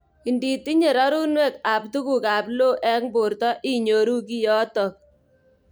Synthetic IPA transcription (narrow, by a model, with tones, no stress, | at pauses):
i˨ndi˨ti˦ɲe˨ɾɔ˦ɾu˦nwe˦˨ka˨ptu˦ku˨ka˨plo˦ʔɛ˦kmbo˨ɾtɔ˦ʔi˦ɲo˨ɾu˦ki˦jɔ˦tɔ˨k̚